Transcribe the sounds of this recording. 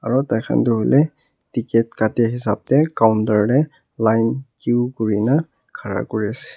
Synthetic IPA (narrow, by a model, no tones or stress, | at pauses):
aɹɔtajkʰa̰ntuɦolʔɛ | tikɛtkatɛɦisa̰p̚tɛkawntaɹɹɛ | lajnkiʊkoɹina | kʰaɹa̰koɹiasɛ̥